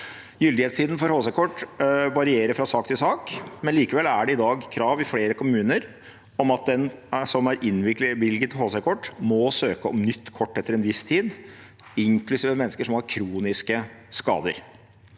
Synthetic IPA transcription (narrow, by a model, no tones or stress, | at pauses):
jʏld̪ɪeːt̪st̪iːd̪n̩fɔɾhoːsækʰɔʈːʋɑɾɪeːɾəfɾɑsɑːkt̪ʰɪlsɑːkmɛnliːkəʋɛlːæɖɛɪd̪ɑːɡkʰɾɑːʋɪfɽeːɾəkʰʊmʉːnəɾ | ɔmɑt̪̚d̪ɛnsɔmæɾʔɪnːʋɪʋɪlɡət̪hoːsækʰɔʈːmɔsøːkəɔmnʏt̪ːkʰɔʈːɛt̪ːəɾɛnʋɪst̪ʰiːd̪ | ɪŋklʉsiːʋəmɛnːskəʂɔmhɑɾkʰɾuːnɪskəskɑ̰ːd̪ə̰ɾ